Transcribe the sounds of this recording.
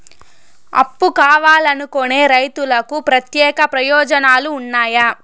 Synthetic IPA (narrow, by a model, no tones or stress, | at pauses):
ɐ̰pːukaːʋaːlɐnukone̞ːɾɐjt̪ulɐkupɾɐt̪jɛːkɐpɾɐjɔːd͡ʒɐnaːluːnːaːja